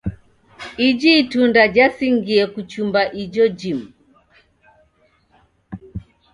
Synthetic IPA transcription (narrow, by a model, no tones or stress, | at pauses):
id͡ʒiːtundad͡ʒasiŋɡiɛkut͡ʃumbaʔid͡ʒɔd͡ʒimu